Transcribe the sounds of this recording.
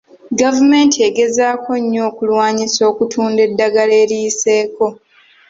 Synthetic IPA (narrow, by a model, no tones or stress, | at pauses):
ɡavume̞ntʰie̞ɡe̞zaːkʰo̞ɲːo̞ːkulwaːɲiso̞ːkutʰuːnde̞dːaɡaleːɾiːse̞ːko̞